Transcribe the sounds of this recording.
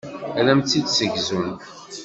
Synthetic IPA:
ælæmt͡s̪ːid̪səʝzun

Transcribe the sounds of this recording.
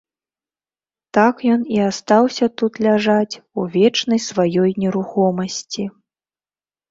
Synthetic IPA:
t̪akjɔniast̪awsʲɐt̪ut̪lʲaʐat͡sʲuvʲɛt͡ʂnɐjsvajɔjnʲɛɾuxɔmɐsʲt͡sʲi

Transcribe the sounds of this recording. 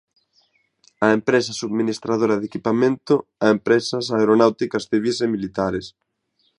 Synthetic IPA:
ɐempɾesɐsuðminist̪ɾaðoɾɐðekipamẽnt̪ʊaempɾesɐsaeɾonawt̪ikɐsθiβisemilit̪aɾes

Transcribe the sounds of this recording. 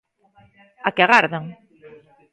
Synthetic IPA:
akeaɣaɾðaŋ

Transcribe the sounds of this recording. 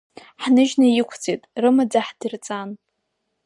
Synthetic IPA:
ħnɨʒnajɪkʷʰt͡sʰʼitʼrɨmad͡zaħdɨrt͡sʼan

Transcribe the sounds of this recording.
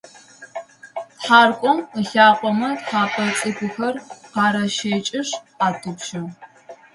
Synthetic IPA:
tħaːrkʷʼɔməɬaːqʷʼɔmɐtħaːpʰʼɐt͡sʼɨɡʷʊxɐrqɑːɾɐʃeːt͡ʃʼɪʂ | aːtʰɨpʃɐ

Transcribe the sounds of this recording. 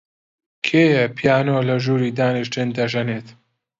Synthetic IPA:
kʰeːjɛpʰijaːnoːlɐʒuːɾiːd̪aːnɨʃtɨnd̪ɐʒɐneːt̪

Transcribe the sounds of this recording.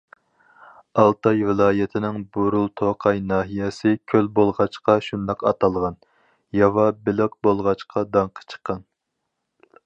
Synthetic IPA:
ɑlˠt̪ʰɑjvɪlˠɑːjɛt̪ʰɪnɪŋboɾulˠt̪ʰoqʰɑjnɑːɦijɛsɪkʲʰølbolˠʁɑt͡ʃqɑʃund̪ɑqɑt̪ʰɑlˠʁɑn | jɑvɑbɪlɪq̚bolˠʁɑt͡ʃqʰɑd̪ɑŋqʰə̥t͡ʃʰə̥qʰːɑn

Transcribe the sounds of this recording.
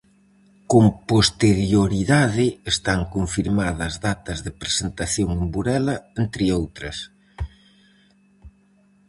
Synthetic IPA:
kompost̪eɾjoɾiðaðɪest̪aŋkoɱfiɾmaðɐzðat̪ɐzðɪpɾesent̪aθjoŋembuɾɛlɐent̪ɾɪowt̪ɾɐs

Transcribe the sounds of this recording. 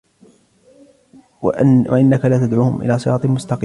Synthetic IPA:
wʔa̰ʔɪnːakalaːt̪ad̪ʕuːhʊmʔɪ̰laːsˤɨɾɑːt̪ˤmʊst̪ɑqi

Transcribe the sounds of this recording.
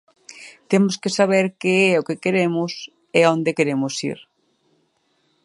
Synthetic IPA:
t̪emoskesaβ̞eɾkeɛokekeɾemʊs | eõnd̪ekeɾemʊsḭɾ

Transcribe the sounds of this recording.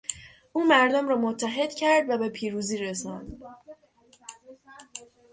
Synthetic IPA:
ʔuːmæɾd̪omrɒːmot̪ʰːæɦe̞d̪̥cʰæɾd̪væbe̞pʰiːɾuːziːɾesɒnd̪̥

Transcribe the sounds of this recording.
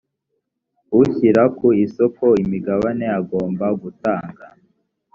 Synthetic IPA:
uçiɾakuiso̞ko̞imiɡaβane̞aɡo̞ːmbaɡutaːŋɡa

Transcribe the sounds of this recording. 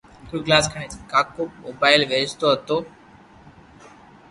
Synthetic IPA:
kuɡlaːskʰəɳeːt͡ʃkaːkoːmoːbaːɪlʋeːd͡ʒt̪oːɦət̪oː

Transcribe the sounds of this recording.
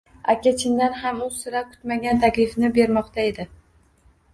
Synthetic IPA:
a̰kʲʰat͡ʃʰɪnd̪anhamʊsɪɾakʰʊ̥t̪maɡʲant̪ʰakʲlɪfnɪbe̞ɾmɒqt̪ʰae̞d̪ɪ

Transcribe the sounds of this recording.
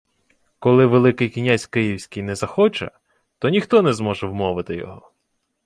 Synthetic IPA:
kɔlˠɪʋelˠɪkɪjkʲinʲasʲkɪjiwsʲkʲɪjnɛzɐxɔt͡ʃɐ̰ | t̪ɔnʲixt̪ɔnɛzmɔʒɛwmɔʋɪt̪ɪjɔ̰ɦɔ

